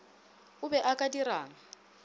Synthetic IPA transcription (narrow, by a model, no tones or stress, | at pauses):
ʊbɛʔakʼadiɾaːŋa